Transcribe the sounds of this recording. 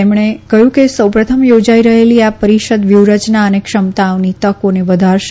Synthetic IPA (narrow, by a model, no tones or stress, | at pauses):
emɳ̃ekəjũkesəwpɾət̪ʰəmjod͡ʒaiɾəɦeliapəɾiʃəd̪ʋjuwɾət͡ʃnaənekʃəmt̪aonit̪əkoneʋəd̪ʱaɾʃ